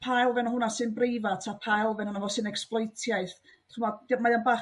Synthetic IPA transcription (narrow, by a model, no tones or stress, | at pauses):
pʰajlˠvɛnɔhʊnasɨnbrejvatʰapʰajlˠvɛnhʊnavɔsɨnɛksplˠɔjtʰjajθ | χumɔdmajanbaː